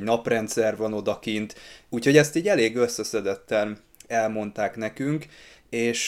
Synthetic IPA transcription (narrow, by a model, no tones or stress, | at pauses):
nɒprɛnt̪sɛrvɒno̞d̪ɒkint̪uːcho̞ɟɛst̪iːɟɛleːɡøsːɛsɛd̪ɛt̪ːɛn | ɛlmo̞nt̪aːkn̪ɛkyŋkeːʃ